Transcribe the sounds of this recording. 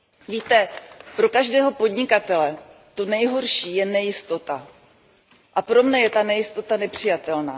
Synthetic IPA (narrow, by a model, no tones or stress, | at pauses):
viːt̪ɛpɾo̞kaʒdɛːɦo̞po̞dɲɪkat̪ɛlɛ | t̪o̞nɛjɦo̞ɾʃiːjɛnɛjɪst̪o̞t̪a | ʔapɾomnɛjɛt̪anɛjɪst̪o̞t̪anɛpr̝̥ɪjat̪ɛlna̰ː